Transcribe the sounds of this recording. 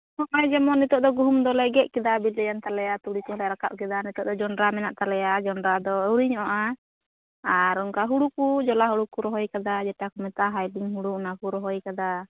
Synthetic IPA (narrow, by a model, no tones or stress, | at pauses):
hɔʔajd͡ʒɛmɔnit̪ɔʔd̪ɔɡuɦumd̪ɔlɛɡɛʔ̚kɛd̪abilɛjant̪alɛjat̪uɽikuɦalɛɾakaʔ̚kɛd̪anit̪ɔʔd̪ɔd͡ʒɔnɾamɛnaʔt̪alɛjad͡ʒɔndɾad̪ɔuɽiɲɔʔɔʔa | aɾɔŋkaɦuɽukud͡ʒɔlaɦuɽukuɾɔɦɔjkad̪ad͡ʒɛʈakumɛt̪aɦajliŋɦuɽunakuɾɔɦɔjkad̪a